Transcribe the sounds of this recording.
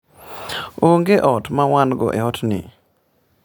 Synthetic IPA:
oŋɡeʔɔtmawanɡɔ̰ʔɛ̰ɔtnɪ̰

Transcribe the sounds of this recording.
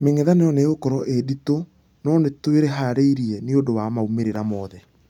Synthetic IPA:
meŋeðanejɔneɣokɔɾɔʔedito | nɔnetweɾɛɦaɾeiɾiɛneodowamaumeɾeɾamɔːðɛ

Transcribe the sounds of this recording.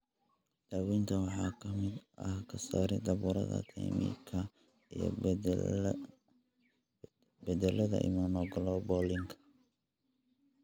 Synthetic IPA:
d̪̥aːwint̪ʰɐwɑħɑːkʰɐmɪd̪ɐhkʰɐsaːɾɛd̪ɐβuːɾɐ̰ðɐ̰t̪ʰɛ̰jmḭkʰɐ | ijɔ̰ | bɛd̪ɛlɐðɐ̰ʔɪ̰maːmɔɡlɔbɔlɪŋkʰɐ̥

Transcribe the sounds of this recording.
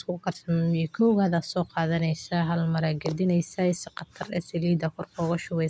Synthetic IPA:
skʰʊqɐrsɐmikʰɔwɣaðɐsɔːqɑːðɐnɛjsɐɦɐlmɐɾaɡɐd̪ɪnɛjsɐsqɐt̪ʰɐrɛ̰sɛliːd̪ɐkʰɔrkʰɔːɣɐʃʊwɛ

